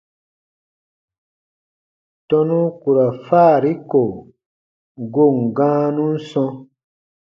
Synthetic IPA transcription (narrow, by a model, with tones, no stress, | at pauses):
tɔ˦nũ˦ku˨ɾa˨faː˦˨ɾi˦ko˨ | ɡo˦˨ŋɡãː˦nũ˦n̩˦sɔ̃˧